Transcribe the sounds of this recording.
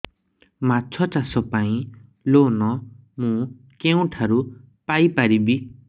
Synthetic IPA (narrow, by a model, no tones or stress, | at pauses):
matːt͡sʰʌt͡sasɔpaĩ | lonʌmũ | kew̃ʈʰaɾu | pajpaɾibi